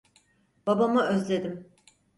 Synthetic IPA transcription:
b̥abamɯøzlʲe̞d̪im

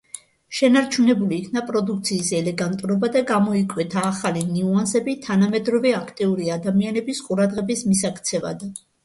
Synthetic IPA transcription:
ʃɛnaɾt͡ʃʰunɛbuliːkʰnapʼɾɔd̪uk̚ʰt̪sʰiːsɛlɛɡant̪ʼuɾɔbad̪aɡamɔikʼwɛt̪ʰaːχaliniuansɛbit̪ʰanamɛd̪ɾɔvɛakʰt̪ʼiuɾiad̪amianɛbisqʼuɾad̪ʁɛbismisakʰt̪sʰɛva̰d̪

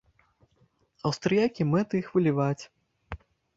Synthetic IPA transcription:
ɐwst̪ɾɨjakʲimɛt̪ɨixvɨlʲivat͡sʲ

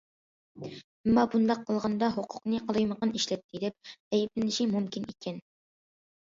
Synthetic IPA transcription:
ɪmːɑbund̪ɑqʰːəlˠʁɑnd̪ɑɦoqʰʊ̥qnɨqʰəlˠɨjməqəniʃlɛt̪ʰːid̪ɛp̚ɛjplɪnɪʃimumkʲinikʲʰɛn

